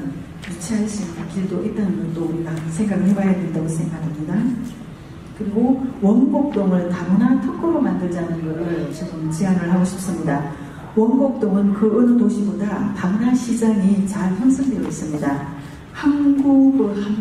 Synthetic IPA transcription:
n | jit͡ɕʰeanɕʰimk͈iɭdoʔit̚t͈anɯnɡʌt͈ouɾiɡasʰe̞ŋɡaɡɦebajadendaɡonsʰeŋɡaɡamɲida | kɯɾiɡowʌnbok̚t͈omɯɭtamnatʰɯk͈ʰɯɾomandɯɭd͡ʑanɯniɡɯɾɯɭʌt͡ɕʰiɡʌmt͡ɕianɯɭhaɡoɕʰi̥p̚s͈ɯmɲida | wʌŋbok̚t͈oŋɯnkɯɯnɯdoɕʰibodatamnaɕʰid͡ʑaŋit͡ɕaɭpʰʌnsʰɯŋdeɾois͈ɯmɲida | hanɡuɡɯ

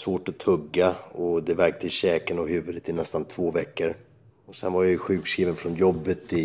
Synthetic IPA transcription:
svoːʈɔt̪ʰɵɡːaɔd̪ɛvæɾk̚t̪ʰɪɕɛːkənɔɦʉ̟ːvɵd̪ət̪ːɪnɛst̪ant̪ʰv̥oːvɛkːəɾ | ɔsɛ̰nvaɾjajəɧʉ̟ːkskɾiːvənfɾɔnjɔbːət̪ɪ

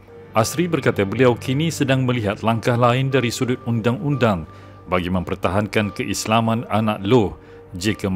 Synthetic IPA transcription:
ʔasɾibərkat̪abəliawkʰinĩsədaŋmə̃liɦat̪̚laŋkahlaɪndaɾisudʊt̪̚undaŋundaŋ | baɡimə̃mpərt̪aɦankankəʔislamãnanãʔloh | d͡ʒikam

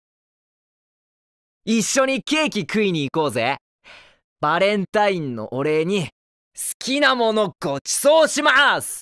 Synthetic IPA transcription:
iɕːo̞ɲ̟ike̞ːkʲikɯ̟iɲ̟iːko̞ːze̞ | b̥aɾẽ̞nt̪aĩnːo̞̰ʔoɾe̞ːɲ̟i | sɨ̥kʲinamo̞no̞ɡ̥ot͡ɕi̥so̞ːɕimasɨ̥

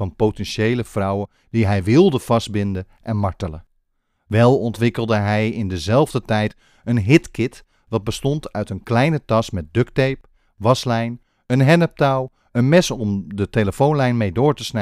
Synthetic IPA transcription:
ɑnpotɛnʃejləfrɑwə | d̥iɦɛjʋɪlˠdəv̥ɑst̚bɪndə | ʔɛnmɑɹtələ | ʋɛlˠɔntʋɪkəlˠdəɦɛjɪndəzɛlˠvdətɛjt | ənɦɪtkɪt | ʋɑd̚bəstɔntœɥtənklɛjnətɑsmɛt̚døktejp | ʋɑslɛjn | ənɦɛnəp̚taw | ənmɛsɔmdəteləfownlɛjnmejdʊːɹtəsnɛ

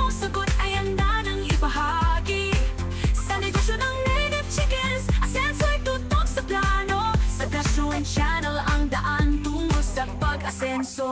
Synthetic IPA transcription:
ŋsɐɡot̪ɐjɐnd̪anɐŋɪbɐɦaɡi | sɐlɪsɐʃonɐŋmɛnɛp̚t͡ʃɪkɛnsʔɐsɛnsoɐjt̪uːt̪ok̚sɐplano̞sɐɡɐʃont͡ʃanɛlɐŋd̪ɐʔant̪uːŋosɐpɐɡɐsɛnso

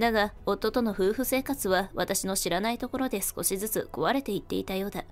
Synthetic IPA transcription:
d̪aɡao̞t̪ːo̞t̪o̞no̞ɸɯ̟ːɸɯ̟se̞ːkat͡sɨβaβat̪aɕino̞ɕiɾanait̪o̞ko̞ɾo̞d̪e̞sɨ̥ko̞ɕizɨt͡sɨko̞βaɾe̞t̪e̞it̪ːe̞it̪ajo̞ːd̪a

